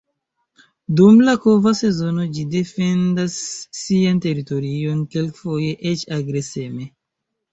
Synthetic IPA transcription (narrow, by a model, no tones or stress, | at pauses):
dumlako̞vase̞zo̞no̞d͡ʒide̞fe̞ndasːiante̞ɾito̞ɾio̞nkelkfo̞je̞ʔet͡ʃaɡɾe̞seme̞